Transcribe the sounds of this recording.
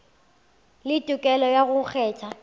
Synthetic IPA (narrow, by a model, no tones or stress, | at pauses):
lɪtʼʊkʼɛlɔjaɣʊk͡xʰɛːt͡ʃʰa